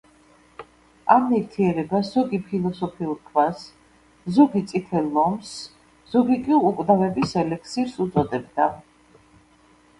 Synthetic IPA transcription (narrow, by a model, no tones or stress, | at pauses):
amniɾt̪ʰiɛɾɛbaszɔɡipʰilˠɔsɔpʰiuɾkʰvas | zɔɡit̪sʼit̪ʰɛlˠːɔms | z̥ɔɡikʼiukʼvd̪avɛbisɛlɛk̚ʰsiɾsut̪sʼɔd̪ɛb̚d̪a